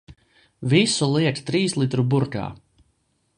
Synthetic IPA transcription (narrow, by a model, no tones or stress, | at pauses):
visulˠiɛkt̪ɾiːslˠit̪ɾubuɾka̰ː